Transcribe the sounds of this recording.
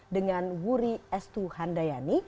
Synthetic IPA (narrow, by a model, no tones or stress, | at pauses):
dəŋanwuɾiɛst̪uhandajani